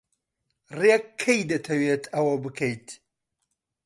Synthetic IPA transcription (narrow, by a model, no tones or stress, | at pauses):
rekʰːɐjd̪ɐt̪ʰɐwet̪ʰɐwɐbɨkʰɐjt̪